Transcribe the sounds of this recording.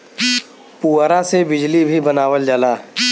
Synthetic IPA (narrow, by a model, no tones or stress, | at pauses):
puːɾasebɪd͡ʒlibʱibɐnaːʋəld͡ʒalaː